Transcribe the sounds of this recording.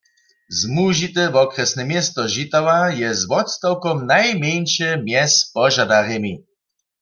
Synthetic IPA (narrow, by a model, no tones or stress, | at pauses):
zmuʒit̪ɛvɔkʁɛsnɛmjɛst̪ɔʒit̪awajɛzvɔt̪st̪awkɔmnajmʲjɛnʃɛmjɛspɔʒad̪aʁɛmi